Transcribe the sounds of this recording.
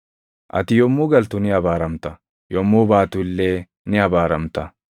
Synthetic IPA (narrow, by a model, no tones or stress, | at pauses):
ʔɐ̰t̪ɪjɔmːuːɡɐlt̪ʊnɪɐbaːɾɐmt̪ɐ | jɔmːuːbaːt̪ʊɪlːeː | nɪɐbaːɾɐmt̪ɐ